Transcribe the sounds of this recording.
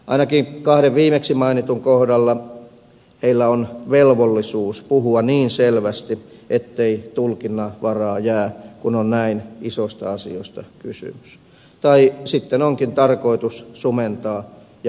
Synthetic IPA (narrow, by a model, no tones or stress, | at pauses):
ʔɑ̰inɑkiŋkɑhdeʋʋiːmeksimɑinit̪uŋkohdɑlːɑ | heilːæonʋelʋolːisuːspuhuɑniːnselʋæst̪iʔet̪ːeit̪ulkinːɑʋɑrɑːjæːkunonnæinisost̪ɑ̰ɑsḭost̪ɑkysy̰mys | t̪ɑisit̪ːenoŋkint̪ɑrkoit̪ussument̪ɑː | jɑ